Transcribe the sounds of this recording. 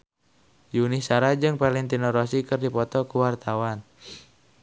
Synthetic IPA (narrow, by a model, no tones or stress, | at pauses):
junisaɾad͡ʒɨŋpalɛŋt̪inɔɾɔsikɨrdipɔt̪ɔkuwart̪awan